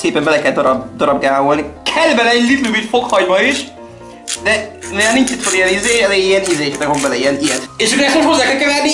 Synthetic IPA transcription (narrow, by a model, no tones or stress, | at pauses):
seːpɛmbɛlɛkɛld̪ɒɾɒbd̪ɒɾɒb̚ɡaːvolnikʰɛlːbɛlɛɛlit̪lumit̪fo̞khɒɲmɒiʃ | d̪ɛnɛjanint͡ʃit̪ʰonijɛnizeːɛleijɛnizeːʃɛt̪ːɛɡvombɛlɛiɛnijɛt̪eːʃudɛɛst̪moʃtho̞zːaːkɛlkɛvɛrni